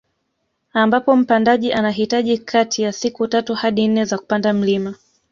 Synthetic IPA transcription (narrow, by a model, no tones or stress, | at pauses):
ambapɔm̩pandaʄiʔanaɦitaʄikʰatʰijasikutatuhaɗin̩nɛzaku̥pandam̩lima